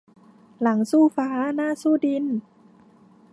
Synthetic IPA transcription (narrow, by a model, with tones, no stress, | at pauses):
la˩˦ŋsuː˥˩faː˩˦naː˥˩suː˥˩di˧n